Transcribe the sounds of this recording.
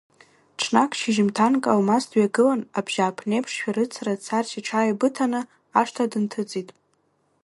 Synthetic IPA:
ʈ͡ʂʰnakʰʼʃiʒɪmtʰankʼawmastʰɥaɡɨlanabʒ̥aːpʰnejpʰʂʃᶣaɾɨt͡sʰarat͡sʰarʃiʈ͡ʂʰaːjabɨtʰanɨ | aʂtʰadɨntʰɨt͡sʼitʼ

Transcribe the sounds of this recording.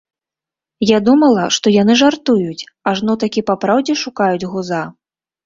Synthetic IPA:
jad̪umɐlˠɐʂt̪ɔjanɨʐart̪ujut͡sʲ | aʐnɔt̪akʲipapɾawd͡zʲɛʂukajud͡zʲɣuza

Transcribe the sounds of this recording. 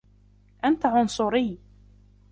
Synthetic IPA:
ʔant̪aʕʊnsˤʊɾɪː

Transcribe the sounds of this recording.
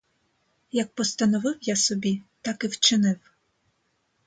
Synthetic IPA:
jɐk̚pɔst̪ɐnɔʋɪwjasɔbʲit̪ɑkɪwt͡ʃɪnɪw

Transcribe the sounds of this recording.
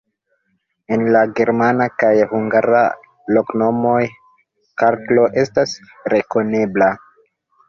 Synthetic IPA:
e̞nlaɡe̞ɾmanakajhuŋɡaɾa̰ | lo̞kno̞mo̞j | kaɾtlo̞ʔe̞stas | ɾe̞ko̞ne̞bla

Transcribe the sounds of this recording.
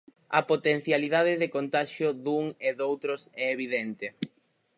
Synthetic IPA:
ɐpot̪en̟θjaliðaðɪðɪkont̪aʃjʊðuŋeðowt̪ɾʊsɛeβ̞iðent̪ɪ

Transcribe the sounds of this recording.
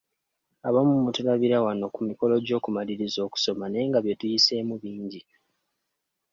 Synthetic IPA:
aβamumutulaβiɾawano̞kumiko̞lo̞ɟo̞ːkumaliɾizo̞ːku̥so̞mane̞ːŋɡaβje̞tujise̞muβiːɲɟi

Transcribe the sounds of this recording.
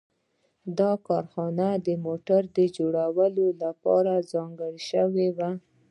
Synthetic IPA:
d̪ɑkɑɾxɑnad̪əmoʈaɾd̪əd͡ʒoɽawəlolapɑ̰ɾazɑŋɡəɽiʃəwewa

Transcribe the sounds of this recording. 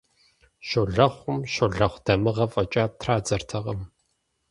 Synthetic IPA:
ʃoɮɐχʷʊmʃoɮɐχʷd̥ɐmɨʁɐfʼɐt͡ʃʼaːtʰraːd͡zɐrtʰɐʁɐm

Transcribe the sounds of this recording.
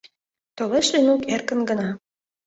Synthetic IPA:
t̪oleʃlenukerkə̆nɡə̆nɑ

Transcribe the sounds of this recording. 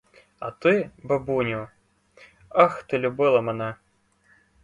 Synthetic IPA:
ɐ̰t̪ɨbɐbunʲʊ | axt̪ɨlʲʊbɨlˠɐmɐna

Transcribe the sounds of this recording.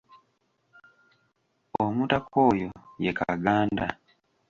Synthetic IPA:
omutakoːjojeka̰ɡaːnda

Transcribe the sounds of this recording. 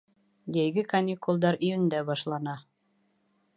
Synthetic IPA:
jæjɡɘkɐnʲikulˠd̪ɑɾijɘ̆nd̪æbɑʃlˠɑnɑ

